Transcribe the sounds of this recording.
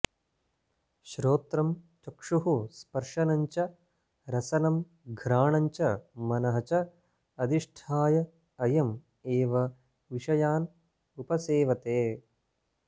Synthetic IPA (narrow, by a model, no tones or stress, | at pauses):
ʃɾoːt̪ɾɐmt͡ʃɐkʂuɦuspɐɾʂɐnɐɲt͡ʃɐ | ɾɐsɐnɐm | ɡʱɾaːɳɐɲt͡ʃɐmɐnɐɦɐt͡ʃɐ | ɐd̪iʂʈʰaːjɐ | ɐjɐm | eːʋɐ | ʋiʂɐjaːn | upɐseːʋɐt̪eː